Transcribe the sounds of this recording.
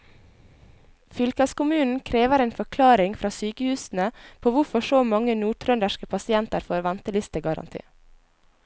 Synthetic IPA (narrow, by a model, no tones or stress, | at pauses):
fʏlkɑskʊmʉːnn̩kʰɾeːʋəɾeːnfɔkʰlɑːɾɪŋfɾʔɑːsyːkəhʉːsn̩əpʰoːʋʊfɔʃoːmɑŋənuːʈ̪ʰɾœnd̪əʃkəpʰɑsɪɛnt̪əɾfoːɾʋænt̪əlʏst̪əɡɑɾɑ̰nt̪ʰḭː